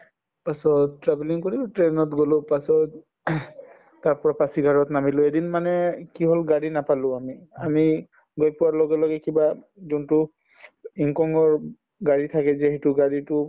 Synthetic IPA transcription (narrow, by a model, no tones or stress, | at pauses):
pasɔttɹabeliŋkoɹibtɹenɔtɡolʊpasɔt | aɹpɔɹapasiɡʱaɹɔtnamilʊedinmanɛkiɦolɡaɹinapalʊ̃amiami | ɡɔjpʊwaɹlɔɡɛlɔɡɛkiba | zuntʊ | iŋkɔŋɡɔɹ | ɡaɹitʰakɛzeɦitʊɡaɹitʊ